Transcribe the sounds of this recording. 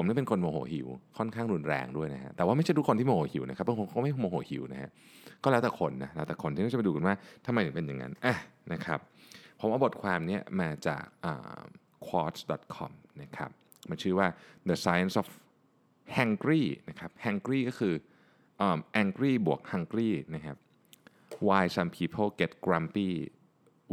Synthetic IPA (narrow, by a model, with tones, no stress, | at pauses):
pʰo˩˦mna˥˩pe˧nkʰo˧nmoː˧˩ho̰ː˩˦ɦḭ˨˩˦wkʰɔ˥˩nkʰaː˥˩ŋɾu˧nɾɛ̰ː˧ŋdu˥˩əjna˦˥ha̰˦˥t̪ɛː˨˩waː˥˩m˥˩t͡ɕʰa˥˩tu˦˥ko˧nt̪i˥˩moː˧˩hoː˩˦hi˨˩˦wna˦˥kʰa˦˥p̚ːbŋʰko˧nkːma˥˩˥moː˧hoː˨˩˦hḭ˩˦wna˦˥ha̰˦˥ʔ | kɔː˥˩lɛː˦˥wt̪ɛː˨˩kʰo˧nːa˦˥lɛ˦˥wt̪ɛː˨˩kʰo˧nʰiː˥˩a˥˩t͡ɕa˩pa˧duː˧ka˧nwaː˥˩t̪ʰa˧ma˧jnɯ˨˩˦pe˧nja˨˩ŋa̰˦˥nʔa˧˩na˦˥kʰa̰˦˥p̚pʰo˨˩˦mʔaː˧bo˨˩t̪̚kʰwaː˧mni˦˥˩ɐmaː˧t͡ɕa̰ː˨˩k̚ʔə̰ː˨˩ | kʰwɔː˦˥t̪̚dɔ˨˩t̪̚kʰɔ̰˧mna˦˥kʰa̰˦˥p̚ | ma˧nt͡ɕʰɯː˥˩waː˥˩d̪ə˧saː˦˥ja˥˨nsɔ˨˦˩f | hɛ˧ŋkɾiː˥˩na˦˥kʰa˦˥p̚hɛ˧ŋkɾiː˥˩kɔː˥˩kʰɯː˧ | ʔəː˨˩mʔɛː˧ŋkɾiː˥˩bu˨˩ək̚ha˧ŋkɾiː˥˩na˦˥kʰa˦˥p̚ | waː˧jsa˧mpʰiː˦˥pʰo˥˩wke˦˥t̪̚kɾa˧mpiː˥˩